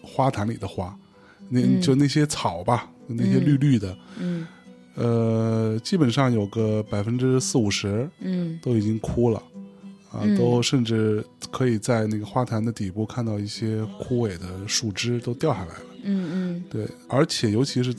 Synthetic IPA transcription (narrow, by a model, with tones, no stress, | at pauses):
xwa˥t̪ʰa˧˥nli˨˩d̪ə˦xwa˥ | ne˥˧t͡ɕjo˥˧ʊna˥˩ɕjɛ˥t͡sʰɑ˨˩ʊbɐ˦˧ | na˥˩ɕjɛ˥ly˥˧ly˥˩d̪ə˩ | ə˧t͡ɕi˥pə˨˩nʂɑ˥˩ŋjo˨˩ʊɡə˧pa˨˩ɪfə˥nʈ͡ʂɻ̩˥sɹ̩˥˩u˨˩ʂɻ̩˧˥t̪o˥ʊi˨˩t͡ɕi˥ŋkʰu˥lə̰˨˩ə̰˧t̪o˥ʊʂə˥˧nʈ͡ʂɻ̩˥˩kʰɤ˧˥i˨˩t͡sa˥˧ɪna˥˩ɡə˩xwa˥t̪ʰa˧˥nd̪ə˧t̪i˨˩pu˥˧kʰa˥˧nt̪ɑ˥˧ʊi˥˩ɕjɛ˥kʰu˥we˨˩ɪd̪ə˦ʂu˥˩ʈ͡ʂɻ̩˥t̪o˥ʊt̪jɑ˥˧ʊxʰa˥˩la̰˧˥ɪlə˧t̪we˥˩ɪə˞˧˥t͡ɕʰjɛ˨˩jo˧˥ʊt͡ɕʰi˧˥ʂɻ̩˥˧